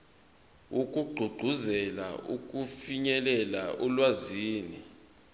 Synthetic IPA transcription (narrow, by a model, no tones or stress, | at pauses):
uk̬ʼuɡ͡ǃʱuɡ͡ǃʱuzɛla̰ʔuk̬ʼufiɲɛlɛlaʔulwaziːni